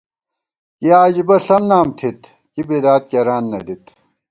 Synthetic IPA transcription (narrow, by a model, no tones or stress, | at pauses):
kiaːʑibɐɬɐmnaːmt̪ʰit̪ | kibeːd̪aːt̪̚kɐɾaːnːɐd̪it̪